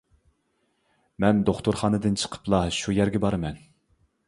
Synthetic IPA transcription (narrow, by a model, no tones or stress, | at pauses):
mɛnd̪oχt̪ʊɾχɑːnɨd̪ɨnt͡ʃʰə̥qʰə̥plˠɑʃujɛɾɡʲɛbɑɾɨmɛn